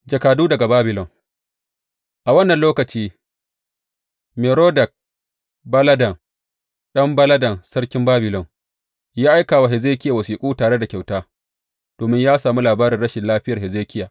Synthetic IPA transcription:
d͡ʒɐ˨kaː˨duː˦dɐ˨ɡa˨baː˦bɪ˨lɔ˨ŋ | ʔa˨wɐ˦nːɐ˨nloː˦kɐ˨t͡ʃiː˦ | meː˨ɾoː˦dɐ˨k̚ | bɐ˦lɐ˦dɐ˨ŋ̚ | ɗɐ˦mbɐ˦lɐ˦dɐ˨nsɐ˦ɽkʲɪ˦mbaː˦bɪ˨lɔ˨ŋ | jaː˦ʔa˦jkaː˨wa˨ɦɪ˨zeː˦kʲɪ˦ja˨wɐ˨siː˨kʷʼuː˦taː˨ɽe˦da˨kʲa˨wtaː˦ | d̥oː˨mɪ˦ɲjaː˦saː˨mu˦laː˨baː˦ɾɪ˨nɽɐ˦ʃɪ˨nlaː˦ɸɪ˦jɐ˨rɦɪ˨zeː˦kʲɪ˦jaː˨

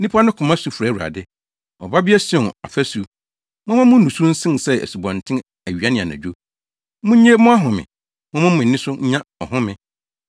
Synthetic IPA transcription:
nĩ˦pʰa˦nʊ̃˦kʰʊ̃˨mã˦su˨˦fɾæ˨u˨a̰˨dɪ˦ | ɔ̰˨ba˦bɪ˦ɛ˦sɛ˨na̰˨fæ˦su˨ | mʊ̃˦mã˦mʊ̃˦nũ˨su˦n̩˦sɪ̃˦n˨sɛ˦ḛ˨su˨bɔ̃˨ntʰɪ̃˦n | æ˨ɥi˨a˦nɪ̃˨a˨nã̰˨d͡ʑᶣo˦ | mʊ̃˦ɲ̩˦ɲe˦mʊ̃˦a˦ɦʊ̃˨mɪ̰̃˨ | mʊ̃˦mã˦mʊ̃˨n̩˨nɪ̃˦sʊ˦ɲ̩˦ɲã˦ɔ˨hʊ̃˦mɪ̃˨

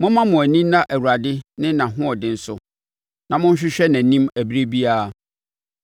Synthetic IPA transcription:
mʊ̃˦mã˦mʊ̃˨æ˨nĩ˦m˦nã˦ʔæ˨wu˨ɾa˨dɪ˦nɪ̃˦nã˨ɦʊ̃˦ɔ˨dɪ̃˦n̩˦sʊ˦ | nã˨mʊ̃˦n˦ɕ̬ᶣɪ˦ɕᶣɛ˦næ̃˨nĩ˦mæ˨bi˦ɾe˦bi˦aː˨

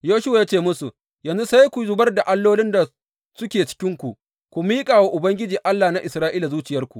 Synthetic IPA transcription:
joː˦ʃʊ˦wa˨ja˦t͡ʃeː˦˨mʊ˦su˨ | jɐ˨nzu˦sa˦jkʷu˨zʊ˦bɐ˦rda˨ʔa˦lːoː˦lɪ˦nda˨ | sʊ˦kʲeː˨t͡ʃɪ̥˦kʲɪ˦ŋkʷu˨ʔ | kʷu˨miː˦kʼaː˨wa˦ʔʊ˨bɐ˦ŋɡʲɪ˦d͡ʒiː˨ʔa˦lːaː˨na˦ʔɪ˨sɾaː˦ʔiː˦la˨zuː˦t͡ʃɪ˨jɐ˦rkʷu˨ʔ

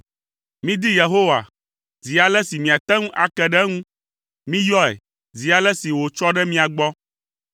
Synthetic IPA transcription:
mĩ˦d̪i˦je˨ɦo˦wa̰˨ | zi˨a˨lɛ˦si˨mĩ˨a˨t̪ɛ˦ŋũ˦ʔa˨kɛ˦ɖɛ˦ŋũ˦ | mĩ˦jɔ˦ɛ̰˨ | zi˨a˨lɛ˦si˨wo˨t͡ʃɔ˦ɖɛ˦mĩ˦a˨ɡ͡bɔ˦

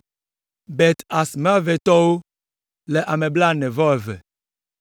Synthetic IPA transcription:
bɛ˨t̪a˨sm˦a˦vɛ˨t̪ɔ˦wo˦ | le˨ʔa˨mẽ˨bla˦nɛ̃˨vɔ˦ɛ˨vɛ̰˨

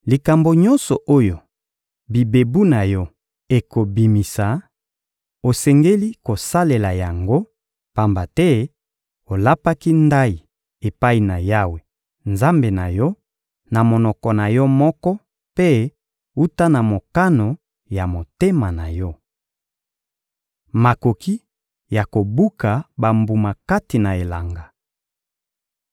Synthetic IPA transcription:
li˨ka˨mbo˨ɲɔ˦nsɔ˨ʔo˦jo˨ | bi˨be˨bu˦na˨jɔ˦ | e˨ko˨bi˨mi˨sa˨ | o˨sɛ˨ŋɡe˦li˦ko˨sa˦le˨la˨ja˨ŋɡo˦ | pa˨mba˨tɛ˦ | o˨la˦pa˦ki˦nda˦i˨ | e˨pa˦i˨na˨ja˦we˨ | nza˦mbe˨na˨jɔ˦ | na˨mo˨nɔ˨kɔ˨na˨jɔ˦mɔ˦kɔ˦ | pe˦ | u˦ta˦na˨mo˨ka˦no˨ | ja˨mo˨te˦ma˨na˨jɔ˦ | ma˨ko˨ki˦ | ja˨ko˨bu˦ka˨ba˨mbu˨ma˨ka˦ti˨na˨e˨la˨ŋɡa˨

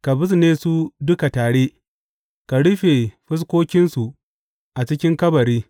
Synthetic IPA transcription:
ka˨bɪ˦s̬neː˦su˦dʊ˦ka˨taː˨ɽe˦ | ka˨ɽʊ˦ɸe˨ɸɪ˦s̬kʷoː˦kʲɪ˦nsu˨ | ʔa˨t͡ʃɪ˦kʲɪ˦ŋkɐ˦bɐ˨ɾiː˦

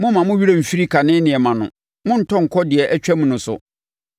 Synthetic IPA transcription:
mʊ̃˦mã˨mʊ̃˦ɥi˦ɾa˦m̩˨fi˦ɾi˦kʰa˨nɪ̃˦nɪ̃˨ɛ˨mã˨nʊ̰̃˨ | mʊ̃˦n̩˦tʰɔ̃˦ŋ̩˨kʰɔ˦dɪ˨ɛ˨ʔɛ˦t͡ɕᶣɛ˦mʊ̃˨˦nʊ̃˨sʊ̰˨

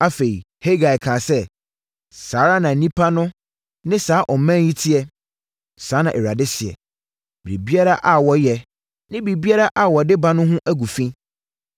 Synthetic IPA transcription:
a˦fe˨i˨ | he˦ɡa˨jkʰãː˨sɛ˦ | saː˨˦ɾa˦nã˨˦nĩ˦pʰa˦nʊ̃˦ | nɪ̃˦saː˨˦ʔɔ˨˦mɛ̃˦ji˦tʰɪ˦ɛ˦ | sãː˨˦nã˨ʔɛ˨ɾa˨dɪ˦sɪ˨ɛ̰˨ | b̥ɾi˨bi˦a˦ɾa˦ʔa˨wɔ˦jɛ˨ | nɪ̃˦bi˨bi˦a˦ɾa˦ʔa˨wɔ˨dɪ˦ba˨nʊ̃˦ɦʊ̃˦ʔæ˦ɡu˨fĩ˦

